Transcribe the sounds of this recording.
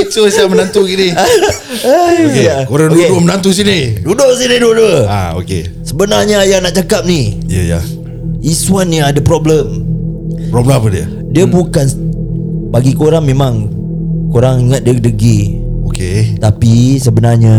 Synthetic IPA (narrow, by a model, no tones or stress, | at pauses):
sosiamənãnt̪ukini | aokejakoɾaŋdokedomənãnt̪us̬inidudoʔsiniduədəa̰o̰kḛ | səbənaɲajanaʔt͡ʃakap̚nĩjaja̰ | iswanːiadəpɾɔbləm | pɾɔbləapədiə̰ | diəbukan | baɡikoɾaŋmẽmãŋ | koɾaŋiŋat̪̚diədəɡioket̪apisəbənarɲa